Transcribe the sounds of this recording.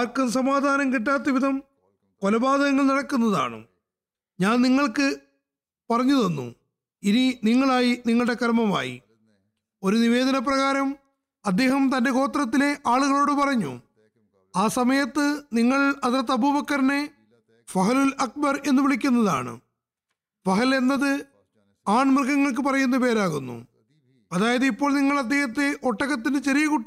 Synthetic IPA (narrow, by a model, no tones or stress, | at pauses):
aːrkuns̬ɐmaːd̪ʱaːnɐmkiʈːaːt̪̬ːɐʋid̪ʱɐm | kolɐbaːd̪ɐɣɐŋːɐɭnɐɽɐkːunːɐða̰ːɳɨ̰ | ɲaːnniŋːɐɭkɨ | pɐrɐɲːuðo̞nːṵ | ininiŋːɐɭaːjiniŋːɐɭɨɽe̞kɐɾmɐma̰ːjḭ | o̞ɾuniʋe̞ːd̪ɐnɐp̬rɐɣaːɾɐm | ɐd̪ːe̞ːhɐmt̪ɐnde̞ko̞ːt̪ːrɐt̪̬ːile̞ʔaːɭuɣɐɭoːɽɨpɐrɐɲːṵ | aːsɐmɐjɐt̪ːɨniŋːɐɭɐt̪rɐt̪ːɐbubɐkːɐɾɐne̞ | fɐɦɐlulɐk̚bɐre̞nːuʋiɭikʲːunːɐða̰ːɳɨ̰ | fɐɦɐle̞nːɐðɨ | aːɳmirɡɐŋːɐɭk̬ɨpɐrɐjunːupe̞ːɾaːɣunːṵ | ɐðaːjɐðeipːo̞ːɭniŋːɐɭɐd̪ːe̞ːhɐt̪ːeʔo̞ʈːɐɣɐt̪̬ːindɨt͡ɕɐɾijɐkuʈːi